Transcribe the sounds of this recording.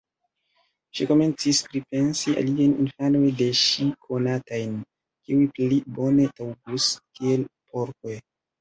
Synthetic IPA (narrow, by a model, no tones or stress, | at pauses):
ʃiko̞me̞nt͡sispɾipe̞nsiʔa̰liajninfano̞jde̞ʃikʰo̞natajn | kiujplibo̞ne̞tawɡuskielpoɾkoj